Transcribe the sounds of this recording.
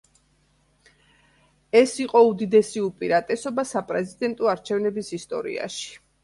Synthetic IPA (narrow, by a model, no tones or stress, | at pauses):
ɛsiqʼɔud̪id̪ɛsiupʼiɾat̪ʼɛsɔbasapʼɾɛzid̪ɛnt̪ʼɔaɾt͡ʃʰɛvnɛbisist̪ʼɔ̰ɾḭa̰ʃi̥